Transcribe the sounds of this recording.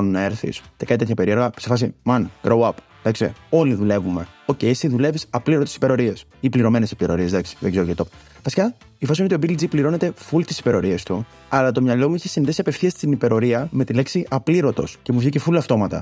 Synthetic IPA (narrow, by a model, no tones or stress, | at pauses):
nnɐe̞ɾθḭsc̪ekɐnit̪et̪çɐpe̞ɾie̞ɾɣɐsefɐsimɐnɡ̥ɾowɐp | ðɐksḛo̞liðule̞vume̞o̞cejsiðule̞visɐpliɾot̪sipe̞ɾo̞ɾies | ipliɾo̞me̞nesi̥pliɾo̞̰ɾie̞sðɐksi̥ðeɡzeɾoet̪op | vɐsi̥kɐ | ifɐsinot̪io̞bild͡zipliɾo̞ne̞t̪efult̪i̥si̥pe̞ɾo̞ɾiɐst̪u | ɐlɐt̪o̞mɲɐlo̞muiçesiniðisiɐpe̞fθiɐst̪inipe̞ɾo̞ɾiɐme̞t̪ileksiʔɐpliɾo̞t̪o̞̰sce̞muvʝicefulɐft̪o̞mɐt̪ɐ̰